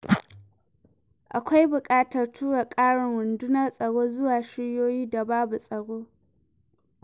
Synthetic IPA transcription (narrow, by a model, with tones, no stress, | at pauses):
ʔa˨kʷa˦jbʊ˨kʼaː˦tɐ˨rtʰuː˦ɽa˨kʼaː˦ɽɪ˨ŋɾʊ˨ndʊ˦nɐ˦sʼɐ˨ɽoː˦zʊ˦waː˨ʃɪ˦ɽjoː˦jiː˦da˨baː˦bu˨sʼɐ˨ɽoː˦